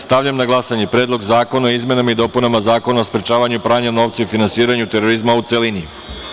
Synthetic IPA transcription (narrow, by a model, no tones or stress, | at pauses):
st̪aʋʎamnaɡlˠasaɲe̞pɾeːd̪lˠo̞ɡzaːko̞naoizme̞namaid̪o̞ːpunamazaːko̞naospɾet͡ʃaːʋaɲupɾaːɲano̞ːʋt̪saifinansiːɾaɲut̪e̞ɾo̞ɾizmaut̪se̞lini